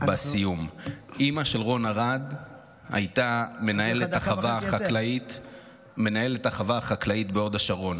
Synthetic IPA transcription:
basijumʔimaʃe̞lʁo̞naʁad̪ | ha̰jt̪ame̞nae̞let̪aχavaχaklait | me̞nae̞letaχavaχaklaitbeo̞daʃaʁo̞n

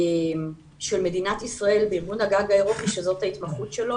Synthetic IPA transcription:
m | ʃe̞lme̞dinat̪isʁae̞lbeiʁɡunhaɡaɡae̞ʁo̞piʃezo̞t̪hait̪mɐχut̪ʃe̞lo̞

